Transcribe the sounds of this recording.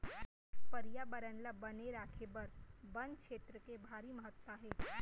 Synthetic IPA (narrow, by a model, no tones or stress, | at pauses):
pəɾijabəɾənləbɐneɾaːkʰebɐɾbɐnkʃeːt̪ɾəkebʱaːɾiməɦət̪waɦɛː